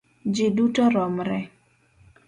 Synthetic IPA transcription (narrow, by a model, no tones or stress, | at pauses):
d͡ʒɪdutɔɾɔmɾɛ